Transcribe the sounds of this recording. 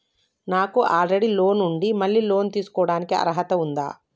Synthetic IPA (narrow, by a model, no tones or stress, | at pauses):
naːkuʔaːlɾeɽilo̞ːnuɳɖimɐɭːiːlo̞ːnt̪iːsu̥kɔːɽaːnikiɐ̰ɾɐɦɐt̪ɐund̪a̰ː